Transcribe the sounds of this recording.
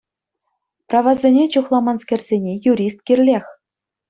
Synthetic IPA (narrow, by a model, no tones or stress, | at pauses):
prɑʋɑzʲenʲet͡ɕuχlˠɑmɑnskʲerʲzʲenʲejuɾʲist̪̚kʲirʲlʲexʲ